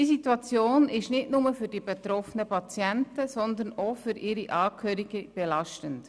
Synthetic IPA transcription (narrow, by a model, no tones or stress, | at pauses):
d̥iːsitwɑt͡sjoːnɪʃnɪtnʊməfyd̥iːbet̪ɾɔfənəpɑt͡sjɛntəsɔnd̪ənofyɾʔɪːɾiʔɑːkʰøːɾiɡ̥əb̥elɑʃtənt